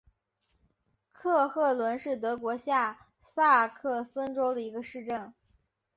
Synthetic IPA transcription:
kʰɤ˥˧xɤ˥˩lwə˧˥nʂɻ̩˥˩t̪̬ɤ˧˥kwɔ˧˥ɕja˥˩ | sa˥˧kʰɤ˥˩sə˥ŋʈ͡ʂo˥ʊd̪ə˨i˧˥ɡə˧ʂɻ̩˥˧ʈ͡ʂə˥˩n

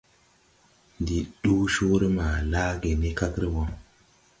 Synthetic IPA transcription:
ndi˨ɗu˦ʃu˦ɾi˦ma˨la˦ɡe˨ni˦ka˦kɾi˦wo˦

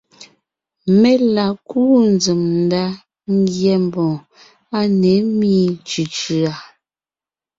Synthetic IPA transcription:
mɛ˦la˨kuː˦n˦d͡zɨ˨mn̩˨da˦ | ŋ˦ɡjɛ˨m˨bɔ̃˨ | a˦nɛ˨˦miː˦t͡ʃʉ˨t͡ʃʉ˨a˨

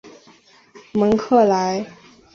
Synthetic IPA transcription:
mə˧˥ŋkʰɤ˥˩la˧˥ɪ

